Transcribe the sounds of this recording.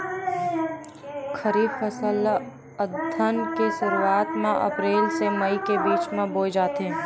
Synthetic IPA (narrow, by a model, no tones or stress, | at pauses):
kʰəɾiːfəsəl | əd̪ʱənkeʃʊɾuaːt̪mãʔɐ̰pɾeːlseməikebiːt͡ʃmẽboːd͡ʒaːt̪eɦɛ̃ː